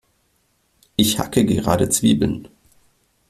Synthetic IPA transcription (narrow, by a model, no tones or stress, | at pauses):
ʔɪçha̰kəɡəʁa̰ːdət͡sv̥iːbl̩n